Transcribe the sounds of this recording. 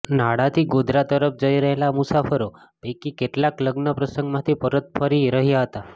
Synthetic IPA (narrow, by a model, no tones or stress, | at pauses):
naɽat̪ʰiːɡod̪ʱɾat̪əɾəp̚d͡ʒəjɾəɦelamusafəɾo | pekikeʈlakləɡnəpɾəsəŋɡmat̪ʰipəɾət̪̚pʰəɾiɾəɦijaɦət̪a